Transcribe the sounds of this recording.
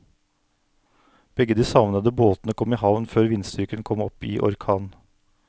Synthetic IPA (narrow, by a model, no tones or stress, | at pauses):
b̥ɛɡəd̪iːsɑʋnəd̪əboːt̪nəkʰɔmiːɦɑʋnføːɾʋɪnst̪ʏkənkʰɔmɔpɪ̰ːʔɔ̰ɾkʰɑːn